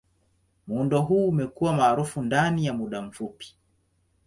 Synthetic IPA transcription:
muːndɔɦuːmɛkuwamaːɾufundanijamuɗam̩fupi̥

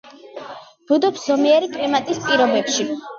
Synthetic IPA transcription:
b̥ud̪ɔpszɔmiɛɾikʼlimat̪ʼispʼiɾɔbɛpʃi

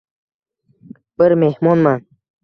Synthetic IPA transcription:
b̥ɨɾmehmɔnman

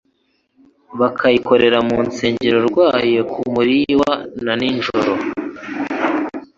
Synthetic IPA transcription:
βakʰajiko̞ɾe̞ɾamuːnt͡se̞ːɲɟeɾo̞ɾɡwaːjekumuɾiwananinʒoɾo̞

